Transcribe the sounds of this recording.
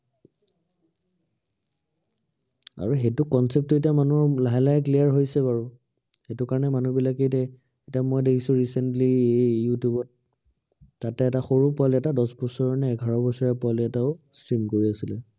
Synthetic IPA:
a̰ɹuxetʊkɔnsɛp̚tuetijamanulaɦɛlajkliaɹɦojsɛbaɹu | xetʊkaɹɔnɛmanubilak̬etɛ | etiamojdekʰisʊ̃ɹisɛntliejjutjubɔt̚ː | atɛːtaxoɹupɔaliɛtadɔsbɔsɔɹɔnɛɛɡʱaɹɔbɔsɔɹɛpɔaliɛtaʊ | sɹimkoɹiasilɛ

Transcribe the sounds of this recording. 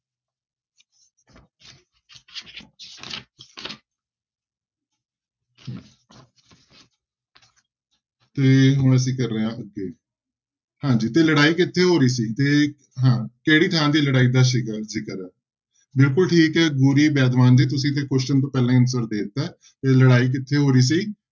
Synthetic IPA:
t̪eːɦʊɳ̃əs̬ĩːkəɾːəɦãʔəɡːeː | hãːd͡ʒiːt̪eːləɽaːiːkɪt̪ʰːeːɦoːɾiːsiːt̪eː | ɦãːkeːɽiːt̪ʰãːd̪iːləɽaːiːd̪aːʃ̬ikəziːkəɾɛː | bɪlkʊlʈʰiːkɛːɡuːɾiːbaːd̪ʋaːnd̪iːt̪̬ʊsĩːt̪ʰeːkʊʃt͡ʃənt̪õːpɛːlãːənsəɾd̪eːt̪ɛː | t̪eːləɽaːiːk̬ɪt̪ʰːeːɦoːɾiːs̬iː

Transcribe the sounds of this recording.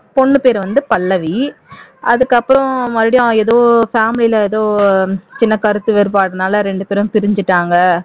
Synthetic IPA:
pɔɳːɯpeːɾʋɐnd̪ɯpɐlːɐʋiʔɐðɯkːɐpːɯɾɔ̃mɐðɪɽɪjõɛðoːfaːmɪlɪlɐɛðoːt͡ʃɪnːɐkɐɾɯt̪ːɯʋeːɾɯpaːɽɯnaːlɐɾɛɳɖɯpeːɾʊ̃mpɪɾɪɲd͡ʒɯʈːaːŋɡɐ

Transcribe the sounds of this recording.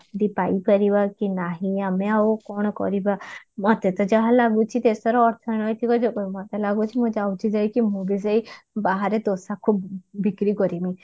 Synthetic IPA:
d̪ipaipaɾibakinaɦĩameaokɔɽ̃ɔkɔ̰ɾibamɔt̪et̪ɔd͡ʒaɦãlaɡut͡ʃʰit̪esɔɾɔɔɾt̪ʰɔnɔjt̪ʰikɔd͡ʒɔkɔimɔt̪elaɡut͡ʃʰimũd͡ʒawt͡ʃʰid͡ʒajkimũbizajbaɦaɾet̪osakʰubːikɾikɔɾimĩ

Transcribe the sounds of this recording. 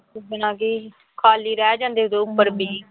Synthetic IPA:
bɪnãːɡiː | kʰaːliːɾɛːd͡ʒãːnd̪eːʊd̪eʊpːəɾbiː

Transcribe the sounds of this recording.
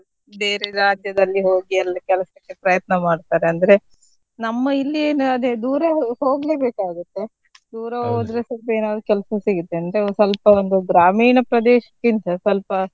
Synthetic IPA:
d̪eːɾeɾɾaːd͡ʒjɐd̪ɐlːiɦoːɡiɛlːɐkɛlɐsɐkːepɾɐjɐt̪̚nɐmaːɖt̪aːɾeɐnd̪ɐɾe̞ | nɐmːɐilːieːnɐd̪ed̪uːɾɐɦo̞ːɡleːbeːkaːɡut̪ːe̞ | d̪uːɾɐɦoːd̪ɾesɐlpɐe̞ːnaːd̪ukɛlɐsɐsiɡut̪ːeɐnd̪ɐɾesɐlpɐond̪uɡɾaːmiːɳɐpɾɐd̪eːʃɐ̥kːint̪ɐsɐlpɐ

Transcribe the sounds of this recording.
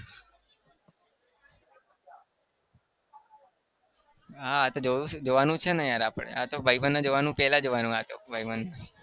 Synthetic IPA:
ɦaːt̪od͡ʒod͡ʒoʋanũt͡ʃʰenɛjaɾapɽḛat̪obʱaibənːãd͡ʒoʋanũpɛlad͡ʒoʋanũɦat̪o̰bʱaibənːa

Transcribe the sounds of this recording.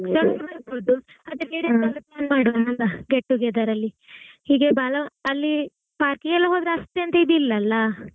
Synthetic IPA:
sɐlsɐbɐɾbod̪u | ɐd̪eneːɽɐɐlːiplaːnmaːɽanɐnlɐɡeʈːuɡeːd̪aɾɐlːi | hiːɡebaːlɐɐlːi | paːɾkiɡɛlːɐɦoːd̪ɾɐst̪ːeɐnt̪ɐid̪uilːɐlːɐ

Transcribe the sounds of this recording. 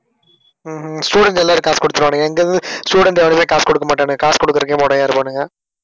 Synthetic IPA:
sʈuːɽɛɳʈɛlːaːɾkaːskɔɽɯt̪ːɯɾʋaːɳɖɯŋɡɐɛŋɡɐɯsʈuːɽɛɳʈɛʋɐɳɯsẽːkaːskɔɽɯkːɐmaːʈːaːɳɯɡɐkaːskɔɽɯkːɪɾɯkːẽmɔɽɐjaːɾɯpaːnɯŋɡɐ

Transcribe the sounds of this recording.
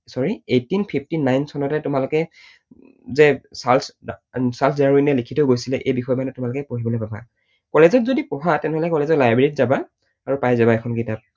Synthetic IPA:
sɔɹietːinpʰipʰtinajnsɔnɔtɛtʊmalʊkɛ | zɛsalssalsʰdaɹinɛlikʰitoɡojsilɛʔejbixɔjmanɛtʊmalʊkɛpoɦibɔlojpaba̰ | kɔlezɔt̚zodipɔɦatɛnɛɦɔlɛkɔlezɔlajbɹitzaba | aɹupajzabaɛkʰɔnkitap̚

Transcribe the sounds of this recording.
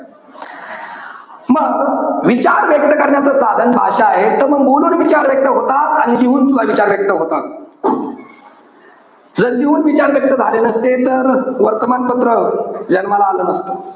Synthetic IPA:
məɡʋit͡ɕaɾʋjək̚t̪əkəɾɳjat͡səsa̰d̪ʱənbʱa̰ɕaːɦet̪əɾməɡmoɽuːnʋit͡ɕaɾʋjək̚t̪əɦot̪at̪añiliuːnsud̪aʋit͡ɕaɾʋjək̚t̪əɦot̪a | d͡zəɾɦiuːnʋit͡ɕaɾʋjək̚t̪əd͡zʱa̰lenəst̪et̪əɾʋəɾt̪əmanpət̪ɾəd͡ʑənməlaːləːnəst̪o̥

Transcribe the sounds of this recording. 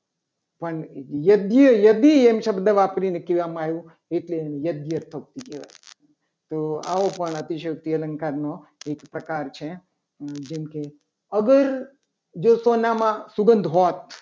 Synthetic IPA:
pəɳjəd̪jəjəd̪iemʃəbd̪ʱəʋapɾinekiʋamajũ | eʈleenejəd̪jəɾt̪ʰək̚t̪ikeʋa̰ | t̪oa̰opəɳət̪iʃək̚t̪iələŋkaɾnoekpɾəkaɾt͡ʃʰe | d͡ʒemke | əɡəɾ | d͡ʒosonamãsuɡənd̪ʱɦot̪

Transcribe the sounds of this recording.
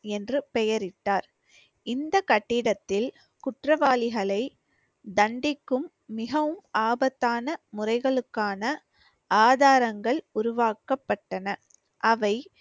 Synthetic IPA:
ɛndrɯpɛjɐɾɪʈːaːɾ | ɪnd̪ɐkɐʈːɪɽɐt̪ːɪl | kʊʈrɐʋaːlɪɣɐɭɐɪ | d̪ɐɳɖɪkːɯmː | ɪɣɐʋɯmaːbɐt̪ːaːnɐmʊrɐɪɣɐɭɯkːaːnɐ | aːðaːɾɐŋɡɐɭʊɾʊʋaːkɐpːɐʈːɐnɐ | ʔɐʋɐɪ

